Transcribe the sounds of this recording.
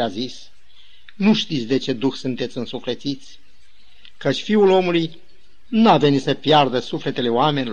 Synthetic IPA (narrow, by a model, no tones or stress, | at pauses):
azis | nuʃt̪it̪sʲd̪e̞t͡ʃe̞d̪uxsunt̪e̞t̪sʲɨnsuflet̪sit̪sʲ | kət͡ʃʲfiulo̞muluj | nuavenit̪səpjard̪əsufle̞t̪e̞le̞oameni